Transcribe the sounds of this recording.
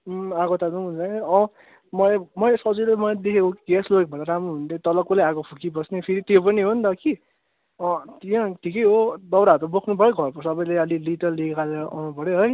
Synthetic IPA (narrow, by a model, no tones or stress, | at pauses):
aɡot̪ad̪uunt͡sakeʌ̃ | mʌmʌsʌd͡zulemʌd̪ekʰekokɡɛsloɡek̚bʌ̃naɾamɾuɦund̪et̪ʌlʌkolaaɡopʰukibʌsnepʰiɾit̪jopʌniɦond̪ʌki | ʌ̃t̪iãʈʰikejɦod̪ʌwɾaɦʌɾubokʰnupʌɾoɡʱʌrpʌsʌbʌjleʌlilit̪ʌliekʰaleʔʌpʌɽoɦʌj